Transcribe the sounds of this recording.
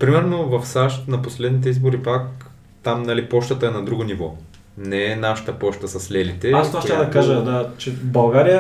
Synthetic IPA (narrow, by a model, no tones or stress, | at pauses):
pɾimɛɾnovɐfsaʃt̪nɐposlɛd̪nit̪̬ɛizboɾipak | t̪amnɐlipɔʃt̪ət̪əɛnɐd̪ɾuɡonivɔ | nɛɛnaʃə̥t̪əpɔʃt̪əsɐslɛlit̪ɛast̪vaʃt̪ɛd̪ɐkaʒəd̪at͡ʃɛbɐlˠɡaɾijə